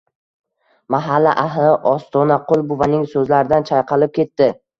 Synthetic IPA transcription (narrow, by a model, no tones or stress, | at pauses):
maɦalːaʔaɦlɪʔɒst̪ʰɒnaqʰʊlˠbʊvanɪŋsɵzlaɾɪd̪ant͡ʃʰajqʰɑlɪp̚kʲe̞t̪ːɪ